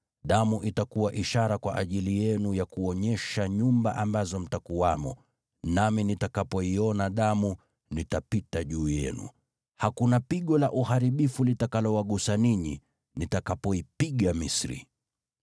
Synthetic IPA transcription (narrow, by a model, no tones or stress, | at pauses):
ɗamuʔitakuwaʔiʃaɾakwaʔaʄilijɛnujakuɔɲɛʃaɲumbaʔambazɔm̩takuwamɔ | naminitakapɔiɔnaɗamu | nitapitaʄuːjɛ̰nṵ | hakunapiɠɔlaʔuhaɾiɓifulitakalɔwaɠusaniɲi | nitakapɔipiɠamisɾḭ